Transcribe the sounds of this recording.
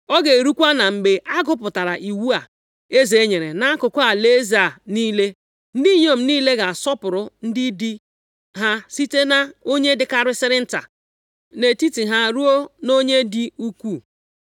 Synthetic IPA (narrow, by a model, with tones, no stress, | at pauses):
ɔ˦ɡe˨ɾu˦kʷa˦na˨ŋ͡m̩˨ɡ͡be˨ʔa˦ɡʊ˦pʊ˨ta˨ɾa˨ʔi˨wu˦a˨ | e˦ze˨e˦ɲe˨ɾe˨na˦a˦kʊ˨kʷa˦˨le˦za˨niː˦le˦ | n̩˦di˦ɲo˦˨m̩˨˦niː˦le˦ɡa˨a˨sɔ˦pʊ˨ɾʊ˨n̩˦dɪ˦di˦ | ɦa˦si˦te˦na˦o˦ɲe˦dɪ˦ka˦ɾɪ˦sɪ˦ɾɪ˦n̩˦ta̰˨ | ne˨ti˦ti˨ɦa˦ɾu˦o˦no˦ɲe˦di˦u˦kʷu˦˨